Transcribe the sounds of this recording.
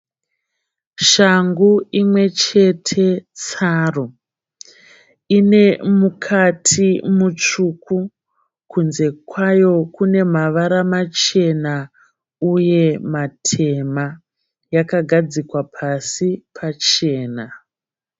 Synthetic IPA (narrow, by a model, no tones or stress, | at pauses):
ʃaŋɡuimwe̞t͡ʃe̞tʰe̞t͡saro | ine̞mukʰatʰimut͡ʂuku | kunze̞kwajo̞kune̞maʋaɾamat͡ʃe̞na | uje̞matʰe̞ma | jakaɡʱad͡zikwapʰasipʰat͡ʃe̞ːna